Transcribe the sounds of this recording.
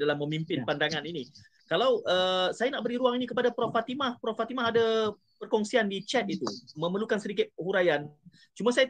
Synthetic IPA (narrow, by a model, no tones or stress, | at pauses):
dalamːəmimpɪnpandaŋanini | kalawʔəsajanaʔbəɾiɾuaŋinikəpadapɾɔfat̪imahpɾɔfat̪imaɦada | pərkɔŋsiandit͡ʃɛt̪̚it̪umə̃məlukansəɾikɪt̪̚huɾajan | t͡ʃumasaja